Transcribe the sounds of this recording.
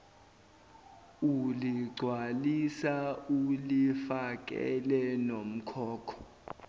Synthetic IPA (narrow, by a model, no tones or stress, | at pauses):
uliɡ͡ǀʱwalisaulifak̬ʼɛ̰lɛnom̩kʰɔːkʰɔ̥